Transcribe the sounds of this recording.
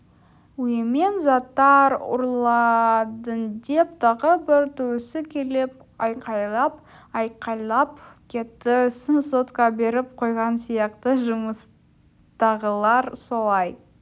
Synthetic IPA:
wjeme̞nzɑt̪ːɑɾʊ̰ɾlˠɑd̪ənd̪e̞p̚t̪ʰɑʁəbɪɾt̪ʰuwɪsɪkʲʰe̞lɪp | ɑjqɑjlˠɑpɑjqɑjlˠɑp̚kʲʰe̞t̪ːɪsɪnsot̪kɑbe̞ɾɪp̚qʰo̞jʁɑnsijɑqt̪əʒʊməs | t̪ɑʁəlˠɑɾso̞lˠɑj

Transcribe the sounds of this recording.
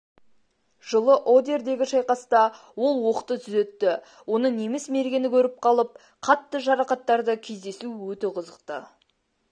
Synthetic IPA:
ʒəlˠəʔo̞d̪e̞ɾd̪e̞ɡʲɪʃɑjqɑst̪ɑ | wo̞lˠwo̞qət̪ət̪ʰʏzet̪ːɪ | wo̞nənemɪsme̞ɾɡʲe̞nɪkʲʰɵɾɪp̚qʰɑlˠəp̚ | qʰɑt̪ːəʒɑɾɑqɑt̪ːɑɾd̪əkʲʰe̞zd̪e̞suwɵt̪eqʰəzəqt̪ə

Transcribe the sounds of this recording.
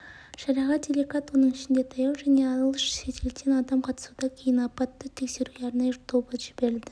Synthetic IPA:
ʃɑɾɑʁɑd̪ʲelʲekɑt̪wo̞nəɴɪʃɪnd̪e̞t̪ʰɑjɑwʒæne̞ɑləlˠəʃʃet̪elt̪enɑd̪ɑmqʰɑt̪ə̥sud̪ɑkʲʰe̞jɪnɑpɑt̪ːət̪ʰe̞kse̞ɾuɡʲeɑɾnɑjət̪ʰo̞bəʒɪbe̞ɾɪld̪ɪ

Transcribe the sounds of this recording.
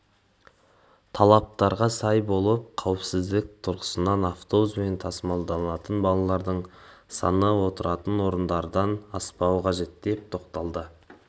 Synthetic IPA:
t̪ʰɑlˠɑp̚t̪ɑɾʁɑsɑjbo̞lˠəp̚qʰɑwəpsɪzd̪ɪk̚t̪ʰʊɾqʰə̥sənɑnaft̪obuzme̞nt̪ʰɑsəmɑlˠd̪ɑɑt̪ənbɑlˠɑlˠɑɾd̪əɴsɑ̰nəwo̞t̪əɾɑt̪ənwo̞ɾənd̪ɑɾd̪ɑnɑspɑwəqʰɑʒe̞t̪d̪e̞p̚t̪ʰo̞qt̪ɑlˠd̪ə

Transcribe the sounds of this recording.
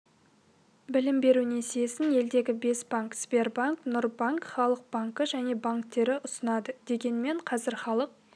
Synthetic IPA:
bɪlɪmbe̞ɾunesesɪne̞ld̪e̞ɡʲɪbe̞sb̥aŋkspʲerbaŋknʊɾbaŋkχɑlˠəq̚b̥aŋkəʒæne̞baŋkt̪ːe̞ɾɪʔʊsənɑd̪əd̪̥e̞ɡʲe̞nme̞ɴqʰɑzɪɾχɑlˠəq̚

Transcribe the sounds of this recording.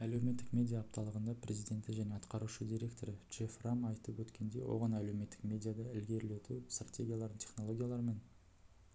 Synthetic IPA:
æle̞wme̞t̪ːɪkmʲe̞d̪ʲijaːp̚t̪ɑlˠəʁənd̪ɑprʲʔe̞zijd̪ʲe̞nt̪ɪʒæne̞ɑt̪qɑɾuʃəd̪iɾʲe̞k̚t̪o̞ɾəʒ̥eframɑjt̪əpwɵt̪kʲʰe̞nd̪e̞̰wʔo̰ʁɑnæle̞wme̞t̪ːɪ̥kmʲe̞d̪ʲijad̪ɑɪlɡʲe̞ɾle̞t̪ust̪ratʲʰe̞ɡʲijalˠɑɾd̪ənt̪ʲʰe̞̥χnolˠo̞ɡʲijalˠɑɾəme̞n

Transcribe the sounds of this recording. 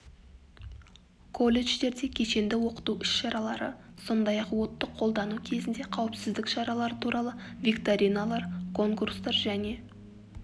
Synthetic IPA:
kʰo̞lʲe̞ʒt̪e̞ɾd̪e̞kʲʰe̞ʃe̞nd̪ɪwo̞qə̥t̪uʏʃʃɑɾɑlˠɑɾə̰so̞nd̪ɑjɑqwo̞t̪ːəqʰːo̞lˠd̪ɑnukʲʰe̞zɪnd̪e̞qʰɑwɪpsɪzd̪ɪkʃɑɾɑlˠɑɾət̪ʰuɾɑlˠəvʲikt̪aɾʲijnalˠɑɾkʰo̞ŋkurst̪ɑɾʒæne̞

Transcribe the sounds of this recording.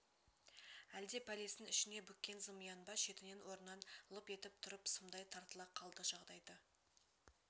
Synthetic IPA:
æld̪e̞pʰælesɪnʏʃɪne̞bʏkʲːe̞nzəmijɑnbɑʃe̞t̪ɪne̞nwo̞ɾnɑnlˠəpe̞t̪ɪp̚t̪ʰʊɾəpsəmd̪ɑjt̪ʰɑɾt̪əlˠɑqʰɑlˠd̪əʒɑʁd̪ɑjd̪ə

